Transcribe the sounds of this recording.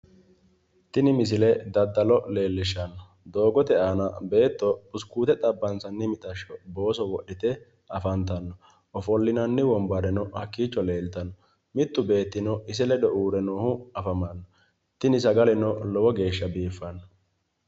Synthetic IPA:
t̪ɪnɪmɪs̬ɪlɛd̪ɐd̪ːɐlɔle̞ːlːɪʃɐnːɔ | d̪o̞ːɡɔt̪ɛaːnɐbe̞ːt̪ːɔpʊskuːt̪ɛt̪ʼɐbːɐnsɐnːɪmɪt̪ʼɐʃːɔbo̞ːsɔwɔɗɪt̪ɛ | ɐfɐnt̪ɐnːɔ | ɔfɔlːɪnɐnːɪwɔmbɐɾɛnɔhɐkːiːt͡ʃːɔleːlt̪ɐnːɔ | mɪt̪ːʊbe̞ːt̪ːɪnɔɪs̬ɛlɛd̪ɔʔuːɾɛnoːhʊɐfɐmɐnːɔ | t̪ɪnɪsɐɡɐlɛnɔlɔwɔɡe̞ːʃːɐbiːfːɐnːɔ

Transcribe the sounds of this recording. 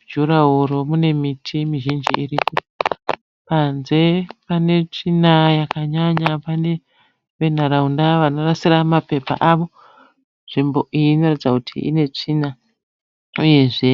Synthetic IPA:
d͡ʒuɾaɦoɾo̞mune̞mitʰimiʒind͡ʒḭiripo̞ | panze̞pane̞t͡ʂinajakaɲaɲapane̞ | ʋe̞n̤aɾaundaʋano̞rasiɾamape̞pa̰ʔaʋo̞ | nʐimbo̞ʔino̞ratid͡zakutʰḭḭne̞t͡ʂina | uje̞ʐe̞

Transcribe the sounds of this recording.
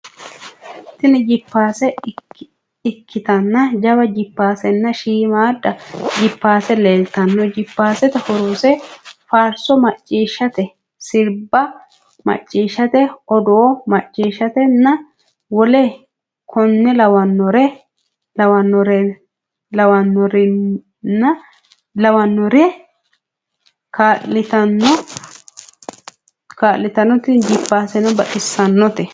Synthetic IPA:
t̪ɪnɛd͡ʒɪpːaːsɛ | ɪkːɪt̪ɐnːɐd͡ʒɐβɐd͡ʒɪpːaːsɛnːɐʃiːmaːdːɐd͡ʒɪpːaːsɛleːlt̪ɐnːɔd͡ʒɪpːaːsɛt̪ɛhɔɾoːsɛfaːɾsɔmɐt͡ʃʼːiːʃːɐt̪ɛ | sɪɾbːɐ | mɐ̰t͡ʃʼːiːʃːɐt̪ɛɔd̪oːmɐt͡ʃʼːiːʃɐt̪ɛnːɐ | wɔlɛ | kʰɔnːɛlɐwɐnːɔɾɛ | lɐwɐnːɔɾɛ | lɐwɐnːɔɾɪ | nːɐ | lɐwɐnːɔɾɛ | kalɪt̪ɐnːɔ | kaːlːɪt̪ɐnːɔt̪ɪd͡ʒɪpːaːsɛnɔbɐʔɪsːɐnːɔt̪ɛ

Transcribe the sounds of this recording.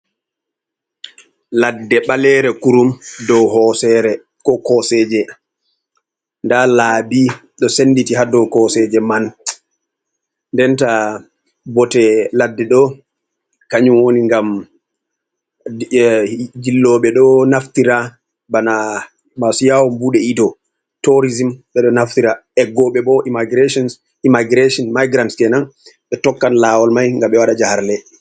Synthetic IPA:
ladːɛɓalɛɾɛkuɾumdɔwhɔsɛɾɛ | kɔkɔsɛːd͡ʒɛ | ndalaːbi | ɗɔsenːditiɦadɔwkɔsɛd͡ʒɛman | ndɛnta | bɔtɛladːɛɗɔ | kaɲumwoniŋɡam | d͡ʒilːɔɓɛɗɔnaftiɾa | bana | masjawɔmbuɗɛidɔ | toɾizimɓɛɗɔnaftiɾaɛɡɔɓɛɓɔʔimaɡɾeʃɔns | imaɡɾeʃɔnmajɡɾantkɛnanɓɛtɔkːanlawɔlmajŋɡaɓɛwaɗad͡ʒahaɾlɛ

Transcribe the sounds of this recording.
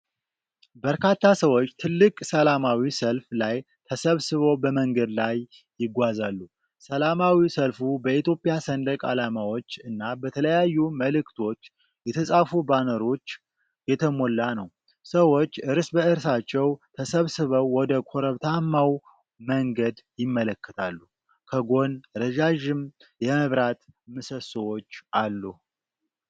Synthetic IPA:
bəɾkʰat̪ʰːasəwo̞t͡ʃːt̪ʰɨlːɨkʼsəlamawisəlflaj | t̪ʰəsəβsɨβo̞bəməŋɡəd̪lajː | ɪɡʷazalːu | səlamawisəlfubəit̪jo̞pʼɪjasənd̪əkʼa̰lamawo̞t͡ʃːɨnːabət̪ʰələjajːuməlɨkt̪ʰo̞t͡ʃː | jɛt̪ʰəsʼafubanəɾo̞t͡ʃː | jɛt̪ʰəmo̞lːanəw | səwo̞t͡ʃːɨɾsbəɨɾsat͡ʃːɛwt̪ʰəsəβsɨβəwːɔd̪əkʰo̞ɾəβt̪ʰamːaw | məŋɡəd̪jɪmːələkːət̪ʰalːu | kʰəɡo̞nɾəʒaʒɪm | jɛməβɾat̪mɨsəsɨwo̞t͡ʃːʔalːuh

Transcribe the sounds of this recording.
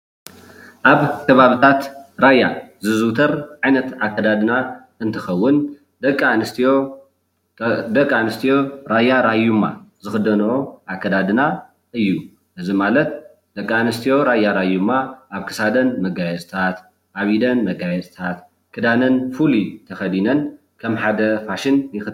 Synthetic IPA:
ʔaβkʰɐβaβɨt̪ʰat̪ɾajːa̰zɨzɨt̪ʰɐɾʕajnɐt̪akʰːɐd̪ad̪ɨna | ɨnt̪ʰɨxɐwːʊn | d̪ɐkʼːanɨst̪ʰijo | d̪ɐkʼːanɨst̪ʰijo̞ɾajaɾajumːa̰zɨxɨd̪ɐnɐoʔakʰːɐd̪ad̪ɨna | ʔɨjːu | ʔɨzimalɐt̪ | d̪̥ɐkʼːanɨst̪ʰijo̞ɾajaɾajumːaʔaβkʰɨ̥sad̪ɐnmɐɡajɛzt̪ʰat̪ | ʔaβid̪ɐnmɐɡajɛzt̪ʰat̪ | kʰɨd̪anɐnfulit̪ʰɐxɐd̪inɐn | kʰɐmħad̪ɐfaʃɪnːɨxɨ

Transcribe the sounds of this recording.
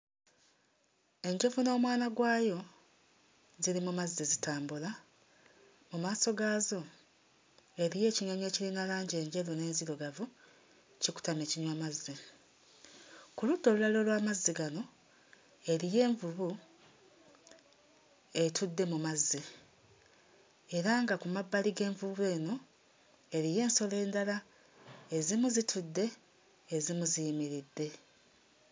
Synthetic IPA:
e̞ɲɟe̞vuno̞ːmwaːnaɡwaːjo̞ | ziɾimumazːizitaːmbula | mumaːso̞ɡaːzo̞ | e̞ɾije̞ːciɲaɲe̞ːciɾinalaːɲɟe̞ːɲɟe̞vune̞ːnziɾoɡavu | ciku̥tameːciɲwamazi | kuludːo̞lulalo̞lwaːmazːiɡano̞ | e̞ɾije̞ːɱvuβu | e̞tʰudːe̞mumazːi | e̞ɾaŋɡakumabːaliɡe̞ːɱvuβue̞ːno̞ | e̞ɾije̞ːnso̞le̞ːndala | e̞zimuzitʰudːe̞ː | zimuzijimiɾidːe̞

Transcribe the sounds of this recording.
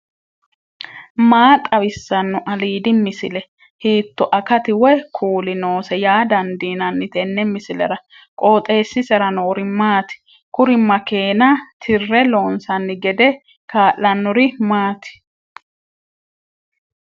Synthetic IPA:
maːt̪ʼɐwɪsːɐnːɔʔɐliːd̪ɪmɪsɪlɛ | hiːt̪ːɔʔɐkɐt̪ɪwɛkʰuːlɪno̞ːsɛjaːd̪ɐnd̪iːnɐnːɪt̪ɛnːɛmɪsɪlɛ̰ɾɐ | kʼoːt̪ʼe̞ːsːɪsɛɾɐnoːɾɪmaːt̪ɪ̥ | kʊɾɪmɐkeːnɐt̪ʰɪrːɛlo̞ːnsɐnːɪɡɛd̪ɛ | kaːʔɐnːɔɾɪmaːt̪ɪ̥

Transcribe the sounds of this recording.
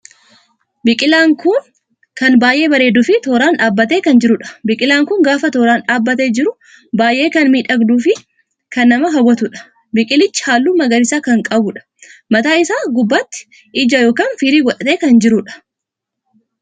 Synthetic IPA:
bɪkʼɪlaːŋkʊn | kɐnbaːjʔe̞ːbɐɾeːd̪ʊfɪt̪oːɾaːnᶑaːbːɐt̪̬eːkɐnd͡ʒɪɾʊᶑɐ̥bɪkʼɪlaːŋkʊŋɡaːfɐt̪oːɾaːnᶑaːbːɐt̪eːd͡ʒɪɾʊ | baːjʔe̞ːkɐnmiːᶑɐɡd̪uːfɪ | kɐnːɐmɐɦɐwːɐt̪ʊᶑɐ̥ | bɪkʼɪlɪt͡ʃːɪ̥haːlːuːmɐɡɐɾɪsaːkɐŋkʼɐbʊᶑɐ̥ | mɐt̪aːɪsaːɡʊbːɐt̪ːɪ̥ | ʔɪd͡ʒɐjo̞ːkaːnfiɾiːɡɔᶑɐt̪e̞ːkɐnd͡ʒɪɾʊᶑɐ̥

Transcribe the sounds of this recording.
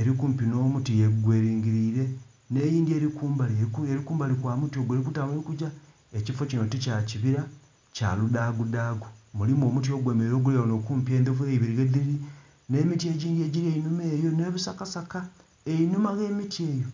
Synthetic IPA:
e̞ɾikuːmpino̞ːmutijeɡweːɾiːŋɡiɾiɾe̞ | ne̞jiːndie̞ɾikuːmbaleɾikuːmbalikwaːmutjo̞ːɡeɾik̬utaβoikuɟa | ecifo̞cinoticaciβiɾa | ca̰ludaɡudaːɡumulimuo̞ːmut̬jo̞ːɡwemeɾo̞ɡulewono̞kuːmpjeːnd̪ofeiβiɾiɣed̪iɾi | ne̞ːmitie̞ːɟiːndie̞ːɟiɾieinume̞ːjo̞ne̞βusakasaka | einumaɣe̞ːmitieːjo̞

